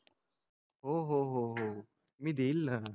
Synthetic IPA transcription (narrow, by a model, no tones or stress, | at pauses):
ɦoːɦoːɦoɦo | mid̪iːlːa